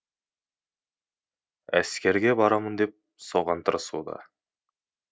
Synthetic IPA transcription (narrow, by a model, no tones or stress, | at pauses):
æ̰skʲe̞ɾɡʲe̞bɑɾɑmɯnd̪e̞p̚ | soʁɑnt̪ʰɤɾɯsuːd̪ɑ̰